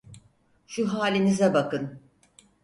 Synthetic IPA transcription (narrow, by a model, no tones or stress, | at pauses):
ʃuɦaːlʲinizɛbakɯn